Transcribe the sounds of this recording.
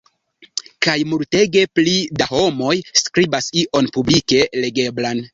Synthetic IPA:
kajmulte̞ɡe̞plidaho̞mo̞jskɾibasiʔo̞npublike̞le̞ɡe̞blan

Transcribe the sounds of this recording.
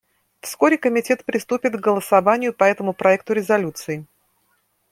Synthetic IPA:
fsko̞ɾʲɪkəmʲɪtʲe̞t̪pɾʲɪst̪upʲɪt̪ɡɡəlˠəsɐvanʲɪjʊpɐɛt̪əmʊpɾɐɛk̚t̪ʊɾʲɪzɐlʲut̪sɨɪ

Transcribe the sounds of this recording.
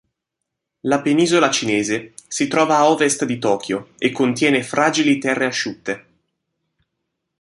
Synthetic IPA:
lapeniːzolat͡ʃineːzesit̪ɾɔːvaːɔːvest̪d̪it̪ɔːk̟ʰjoekːont̪jɛːnefɾaːd͡ʒilit̪ɛrːeaʃːut̪ːe

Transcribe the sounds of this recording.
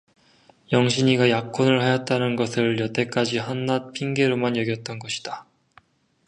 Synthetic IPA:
jʌŋɕʰiɲiɡajak͈ʰonɯɭhajʌt̚t͈anɯnɡʌsʰɯɭjʌt͈ʰe̞k͈ad͡ʑiɦʌnːat̚pʰiŋɡe̞ɾomanjʌɡjʌt̚t͈ʌnɡʌɕʰi̥d̥a

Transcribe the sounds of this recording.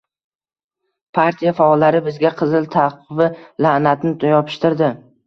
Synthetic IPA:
pʰaɾt̪ʰijafaɒlːaɾɪbɪzɡʲaqʰɨzɪlt̪ʰaqɨvɪlanat̪nɪt̪ʰjɒpʰɪ̥ʃt̪ɪɾd̪ɪ

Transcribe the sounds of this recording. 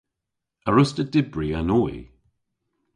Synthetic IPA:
əɹʊstədɪbɹianɔː

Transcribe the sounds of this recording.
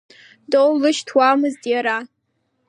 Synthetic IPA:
dowlɨʃtʰwamɨztʼjaɾa

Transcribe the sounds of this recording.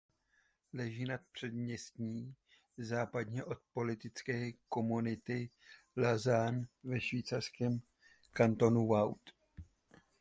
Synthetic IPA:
lɛʒiːnat̪̚pr̝̥ɛd̪mɲɛst̪ɲiː | zaːpad̪ɲɛʔo̞t̪̚po̞lɪt̪ɪt͡skɛːko̞munɪt̪ɪ | lazanvɛʃviːt͡sarskɛːm | kant̪o̞nuvawt̪

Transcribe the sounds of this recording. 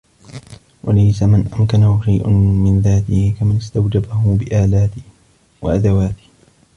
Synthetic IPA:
wʔa̰lajsamanʔamkanahʊʃajʔʊmɪnðaːt̪ɪhɪkamanɪst̪awd͡ʒabahʊbɪʔaːlaːt̪ɪh | wa̰ʔad̪awaːt̪ɪ̥h

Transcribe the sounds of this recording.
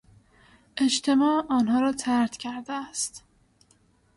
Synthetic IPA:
ʔe̞ʃt̪ʰe̞mɒːɒːnɦɒːɾɒːt̪ʰæɾt̪cʲʰæɾd̪eæst̪

